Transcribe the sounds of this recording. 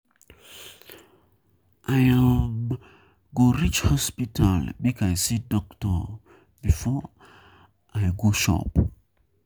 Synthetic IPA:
ʔajam | ɡoɹit͡ʃhɔspitʰalbikajsidɔktɔ | bifɔ | ajɡoʃɔ̰p

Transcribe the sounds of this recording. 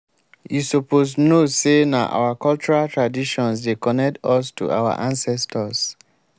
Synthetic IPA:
jisoposnosena̰ʔa̰wakɔlt͡ʃuɹaltʰɹadiʃɔ̃nsdekɔnɛk̚tɔstʰṵʔa̰wa̰ʔãnsɛstʰɔs

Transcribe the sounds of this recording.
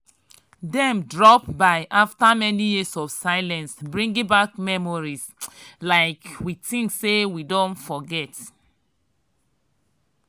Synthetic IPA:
dɛ̃mdɹɔpbaɪʔaftamɛnijisɔfsaɪlɛ̃nsbɹĩŋɡĩbakmɛmɔɹislaɪkwitĩŋksewidõntfɔɡɛt

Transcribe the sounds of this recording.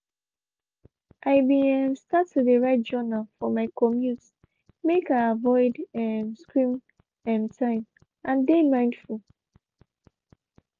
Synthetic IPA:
ʔaɪbĩɛ̃mstatʰːudeɹaɪt̚d͡ʒɔnalfɔmaɪkʰɔmjuts | mekaavɔɪdɛmskɹĩm | ɛ̃mtʰãɪ̃m | ʔãndemãɪ̃nd̥ful

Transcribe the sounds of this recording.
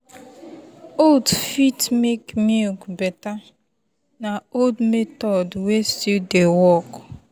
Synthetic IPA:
oldfitmekmikbɛta | naoldmetɔdwestudewɔk

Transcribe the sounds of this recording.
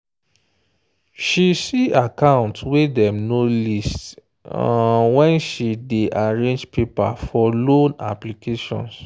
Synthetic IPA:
ʃisiakãʊ̃ntwedɛ̃mnolist | wɛ̃nʃideʔaɹẽnd͡ʒpʰepa̰fɔlõna̰plikʰeʃɔ̰̃ns

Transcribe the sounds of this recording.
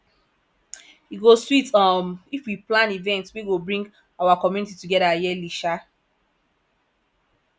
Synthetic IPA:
iɡoswitɔmifwiplãnivɛ̃ntwiɡobɹĩŋɡ | awakɔmjunitituɡɛdajɛliʃa

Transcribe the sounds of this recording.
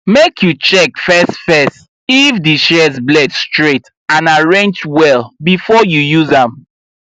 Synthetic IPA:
mekʰjut͡ʃɛkfɛstfɛst | ifdiʃɛzblɛdstɹet | ãnaɹẽnd͡ʒwɛlbifɔjujuzãm

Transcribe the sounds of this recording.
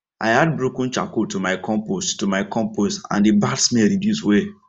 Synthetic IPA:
ʔa̰ɪhad̚bɹokũnt͡ʃa̰kotumaɪkʰɔ̃mposttumaɪkʰɔ̃mpostã̰ndibadsmɛɾidjuswe

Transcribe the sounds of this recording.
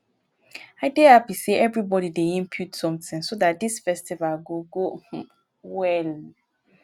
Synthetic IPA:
aɪdehapiseʔɛvɹibɔɾideĩmpʰjutsɔ̃mθĩŋsodat̚disfɛstivalɡoɡo | wɛl

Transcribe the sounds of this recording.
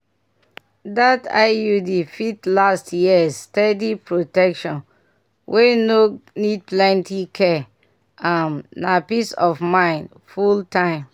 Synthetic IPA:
data̰judifitlastjisːtɛdipɹotɛkʃɔ̃n | wʔenonid̚plɛ̃ntikʰɛ | ãmnapisɔfmãɪ̃nd | fultãɪ̃m

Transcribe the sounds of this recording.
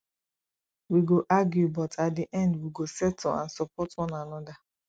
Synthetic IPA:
wiɡoʔaɡjubɔtʰatdiʔɛ̃ndwiɡosɛtɔã̰nsɔpɔtwɔ̃nanɔda

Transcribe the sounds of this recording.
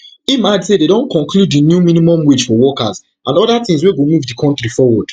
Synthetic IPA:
imadsededõnkɔ̃nkluddinjumĩnimɔ̃mwid͡ʒfɔwɔkaz | ʔãnɔdatĩŋs̬weɡomuvdikʰɔ̃ntɾifɔwɔd̥

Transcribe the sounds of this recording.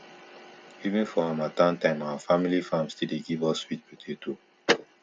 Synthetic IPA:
ivĩnfɔãmatãntãɪ̃mawafamilifãmstildeɡivɔswit̚pitʰetʰu

